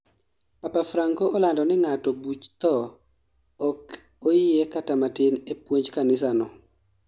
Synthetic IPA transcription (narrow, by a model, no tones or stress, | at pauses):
papafɾaŋkoɔlandɔnɪŋatɔbut͡ʃt̪ɔ | ɔk | oɪekatamatɪnepwoɲd͡ʒkanɪs̬anɔ